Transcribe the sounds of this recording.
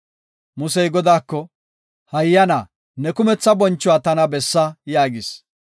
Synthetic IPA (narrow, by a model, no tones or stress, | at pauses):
mʊsɛjɡɔd̪aːkːɔ | hɐjːɐnaː | nɛkʊmɛt͡sːɐbɔnt͡ʃːʊwaːt̪ɐnɐbɛsːɐjaːɡɪs